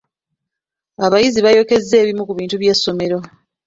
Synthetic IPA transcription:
aβajiziβajo̞ke̞zːe̞ːβimukuβiːntuβje̞sːo̞me̞ɾo̞

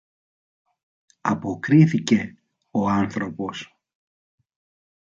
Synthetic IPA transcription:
ɐpo̞kɾiθice̞ | o̞ɐnθɾo̞po̞s

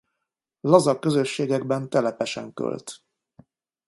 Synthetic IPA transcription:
lɒzɒkːø̞zø̞ʃːeːɡɛɡbɛnt̪ɛlɛpɛʃɛŋkø̰lt̪

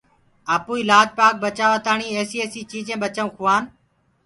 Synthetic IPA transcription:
aːpuːilaːd͡ʒpaːk̚bət͡ʃaːʋət̪aːɳiːeːsiːeːsiːt͡ʃiːd͡ʒẽːɓət͡ʃaũːkʰʊʋaːn

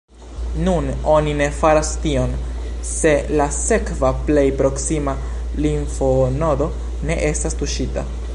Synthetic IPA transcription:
nuno̞nine̞faɾastio̞nse̞lase̞kvaple̞jpɾo̞ksima | linfonodo̞ | ne̞ʔe̞stastuʃita̰

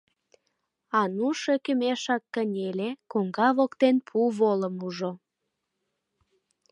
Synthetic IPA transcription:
ɑnuʃekymeʃɑkːənʲelekoŋɡɑβokt̪enpʰuβoləmuʒo

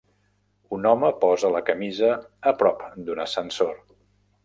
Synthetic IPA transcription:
unɔməpɔzələkəmizəːpɾɔpd̪unəsənsoɾ

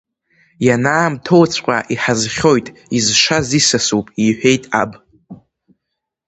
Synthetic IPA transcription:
janaːmtʰo̞wt͡sʷʰʼqʷʼaʔiħazχʲo̞jtʼizʂazisasupʼiħʷᶣe̞jtʼa̰bʼ

